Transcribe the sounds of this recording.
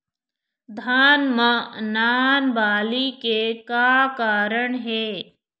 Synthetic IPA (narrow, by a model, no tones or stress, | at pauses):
d̪ʱaːnmənaːnbaːlikekaːkaːɾəɳɦeː